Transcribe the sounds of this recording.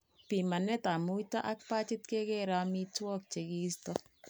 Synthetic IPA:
pi˨ma˨nɛ˦ta˨mu˦ta˦ʔa˦k̚pa˦t͡ʃɪ˦tke˦ke˦ɾa˨˦mi˦twɔ˦k̚t͡ʃe˨ki˦stɔ

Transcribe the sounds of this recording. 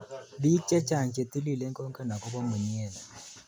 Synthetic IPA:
bi˦t͡ʃɛ˦t͡ʃa˨ɲt͡ʃɛ˨ti˦li˦˨lɛ˦ŋkɔ˦ŋkɛ˦na˨kɔ˦βɔ˦mu˨ɲi˦ɛ˦˨na˨

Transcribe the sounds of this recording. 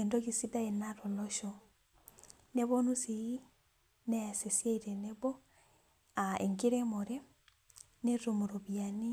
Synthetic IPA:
endokisi˦da˦e˨naɾolɔʃɔ | ne˦βɔnu˦sii˦ | nɛ˦a˨se˨sja˦iɾɛneβɔ˦ | aḛ˨ŋɡi˦ɾɛmoɾe˦ | ne˦ɾumu˨ɾo˨βiani˦

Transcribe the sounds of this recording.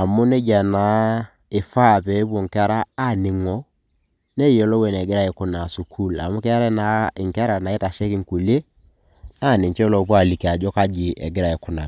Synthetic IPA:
a˨mʊ˦ne˦d͡ʒa˨na˨˦ | ɪ˨fa˦˨pe˨˦p̬o˨ŋ˨ka˦ɾaː˦nɪ˨ŋɔ˦ | ne˦ɛ˨lɔ˦we˨nɛ˨ɡɪ˦ɾa˦˨ɪ˨kʊ˦na˨su˨kʰu˦˨la˨mʊ˦kɛ˦a˦ɾɛ˦na˨ɪ˨ŋka˦ɾa˨na˨ɪ˦ta˨ʃɛ˦kɪ˦ŋ˨ku˨le˦ | na˦˨nɪ˨ɲt͡ʃɛ˦lo˨˦p̬u˦a˨li˨ke˨a˨d͡ʒɔ˦ka˦d͡ʒɪ˨ʔɛ̰˨ɡɪ˦ɾa˨ɪ˨kʊ˦na˨

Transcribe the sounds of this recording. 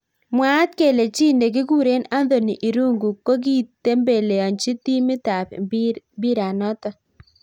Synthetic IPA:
mwa˦t̪̚ke˦˨le˨t͡ʃi˦nde˨ɡ̬ɪ˦ɡu˦ɾe˦na˦nd̪o˨ni˨ʔi˨ɾu˦ŋɡu˨ko˦ɡi˦˨tːe˦mbe˨le˨ɔ˨nt͡ʃi˦t̪i˦mɪ˦t̪a˨p | bi˦ɾa˨nɔ˦t̪ɔ˦

